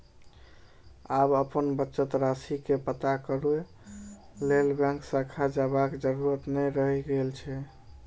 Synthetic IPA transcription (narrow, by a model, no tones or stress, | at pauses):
abəpənbətːʃət̪ɾasikepət̪akəɾue | lelbãŋksakʰad͡ʒabakd͡ʒəɾuɾət̪nɛɾəɦiɡelt͡ʃʰɛ